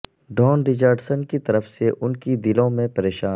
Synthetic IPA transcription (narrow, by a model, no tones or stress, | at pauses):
ɖɔːnɾɪd͡ʒəɾɖsənkit̪ɐɾəfseʔʊnkid̪ɪlõmẽpɐɾeːʃaː